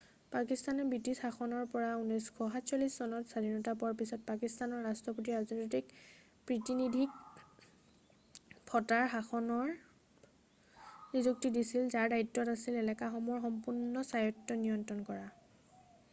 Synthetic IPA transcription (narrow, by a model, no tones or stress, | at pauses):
pakistanɛbitisxaxɔnɔɹpɔɹaunɔskʰɔɦatsalisːɔnɔtsadʱinɔtapɔɹpisɔt̚pakistanɔɹːastɹɔpotiazɔnɔtik | pɹitinidʱik̚ | pʰɔtaɹɦaxɔnɔɹ | nizuk̚tidisilzaɹdaitːɔtasilɛlɛkaxɔmɔɹxɔmpunːɔsajɔtːɔnijɔntɹɔnkɔɹa